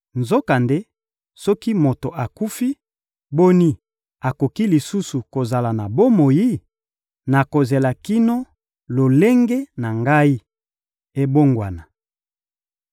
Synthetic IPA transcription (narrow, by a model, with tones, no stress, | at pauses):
nzo˦ka˨nde˦ | sɔ˦ki˦mo˨to˨ʔa˨ku˦fi˦ | bo˦ni˦ | a˨ko˨ki˦li˨su˦su˨ko˨za˨la˨na˨bo˦mo˨ji˦ | na˨ko˨ze˨la˨ki˦no˦ | lo˨le˦ŋɡe˦na˨ŋɡa˦i˦ | e˦bo˦ŋɡwa˨na˨